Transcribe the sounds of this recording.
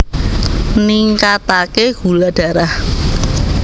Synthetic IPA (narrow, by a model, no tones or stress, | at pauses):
niŋkat̪akeɡ̥ulaɖ̥ä̤ɾah